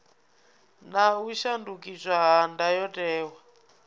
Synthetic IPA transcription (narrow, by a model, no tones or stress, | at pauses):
nauʃandukʼizʷaɦandajɔtʼɛːwa